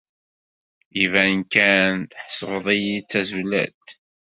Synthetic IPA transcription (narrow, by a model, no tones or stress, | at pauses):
ivænkænt̪ħə̥sʁəðˤijit͡sːæzulæ̰t̪